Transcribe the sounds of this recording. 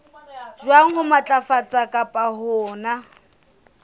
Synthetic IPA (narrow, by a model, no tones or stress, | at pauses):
ʒwaŋ̩hʊmat͡ɬʼafat͡sʼakʼapʼahʊːna